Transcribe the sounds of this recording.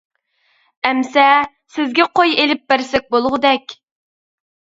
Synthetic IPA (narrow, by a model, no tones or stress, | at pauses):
ɛmsɛ | sɪzɡʲɛqʰojelɪp̚bæɾsɛk̚ʲbolˠʁəd̪ɛkʲ